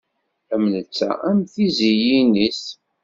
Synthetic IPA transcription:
əmnət͡sːæ̰æmθizijinis

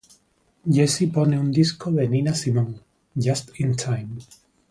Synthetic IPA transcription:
d͡ʒesiponeund̪iskoðeninasimõŋ | d͡ʒast̪ĩntʰajm

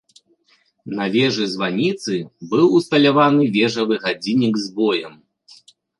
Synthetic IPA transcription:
nɐvʲɛʐɨzvanʲit̪sɨbɨwust̪ɐlʲavanɨvʲɛʐɐvɨɣad͡zʲinʲiɡzbɔjɛm

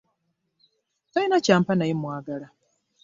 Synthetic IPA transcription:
tainacaːmpanajemwaːɡala

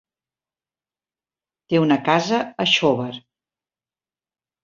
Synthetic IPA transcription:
t̪eunəkazəəʃoβəɾ

